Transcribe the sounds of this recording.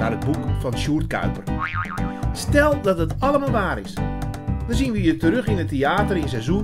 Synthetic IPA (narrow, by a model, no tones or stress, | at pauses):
a̰rəd̚bukfɔnʃuːrtkœ̰ɥpər | stɛlˠdɔtətɑləmaːlˠʋaːɾɪsdɔnzinʋəjətəɾøxɪnəteaːtərɪnsɛjzu